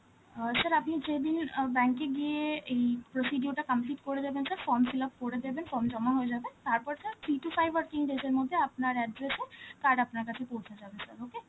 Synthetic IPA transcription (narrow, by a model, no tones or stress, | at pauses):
sɐɾapnid͡ʒeːd̪ɪnbɛ̃ːŋkːeɡieipɾosiːɖijuɾʈakɐ̃mpliːʈkoɽed͡ʒabensəɾfɔːɾmsɪləp̚koɽed̪ebenfɔːɾmd͡ʒɔmaɦoed͡ʒaːbẽnt̪aːɾpɔɾsəɾtʰiːʈufʰaːiʋəɾkĩŋɖed͡ʒeɾmʊd̪ʱːjeɐpnaɾɛɖɾesekaːɾɖapnakɐt͡ʃʰepõːt͡ʃʰnad͡ʒaːbesɐɾoːke